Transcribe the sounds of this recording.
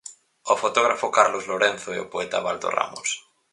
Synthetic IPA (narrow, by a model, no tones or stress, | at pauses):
ofot̪oɣ̞ɾafokaɾlozloɾẽnθoɛopoɛt̪a̰βald̪o̰ra̰mos